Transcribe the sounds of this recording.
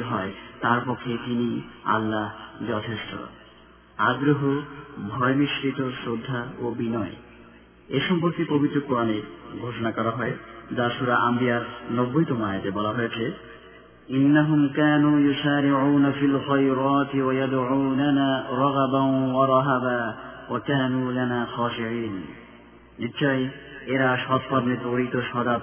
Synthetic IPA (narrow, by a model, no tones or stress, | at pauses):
ɦɔet̪aɾpɔkʰːet̪inia̰lːaɦd͡ʑɔt̪ʰeʃʈʰo̰ | aɡɾoɦobʱɔemiʃɾit̪osɾod̪ʱːaobinɔe | eʃɔmpoɾt̪ipobit̪ːɾokoɾaneɡʱoʃonakɔɾaɦɔed͡ʑaʃuɾaʔambijaɾnɔbːojʈomajat̪ebɔlaɦojet͡ɕʰe | inːaɦumkaːnuːjusaːɾiʕuːnafilxajɾɑːt̪iwajad̪ʕuːnanaɾˤɑɣbanwaɾˤɑɦabawakaːnuːlanaːxaːʃiʕiːnː | iɕʰɔjeɾaʃɔt̪paɾned̪oɽit̪oʃɔd̪ab